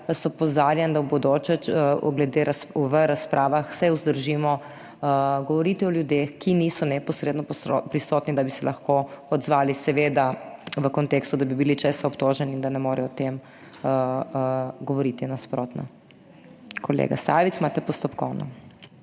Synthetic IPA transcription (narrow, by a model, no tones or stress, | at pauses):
sɔpɔzaɾjɛnd̪awbɔd̪oːt͡ʃɛt͡ʃɡlɛd̪eɾasʋəɾaspɾʔaːʋaxsɛuzd̪əɾʒiːmɔ | əɡɔʋɔɾit̪iɔljud̪exkinisɔnɛpɔsɾeːd̪nɔpɾisɔt̪nid̪abisɛlʔɐxkoɔd̪zʋaːlisɛʋeːd̪aʋəkɔnt̪eːkst̪ud̪abibilit͡ʃesaɔpt̪oːʒɛniːnd̪anɛmoːɾɛɔt̪em | ə | ɡɔʋɔɾit̪inaspɾot̪na̰ | kʰɔlḛɡa̰sa̰ːʋit̪smat̪ɛpɔst̪ɔpkɔwnɔ